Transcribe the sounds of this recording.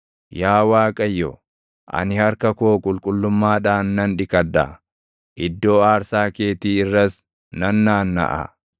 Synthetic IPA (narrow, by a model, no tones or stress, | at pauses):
jaːwaːkʼɐjːɔ | ʔɐ̰nɪhɐɾkɐkoːkʼʊlkʼʊlːʊmːaːᶑaːnːɐnᶑɪkɐd̪ɐ̰ | ʔɪd̪ːo̞ːaːɾsaːke̞ːt̪iːɪrːɐs | nɐnːaːnːɐ̰ʔɐ̰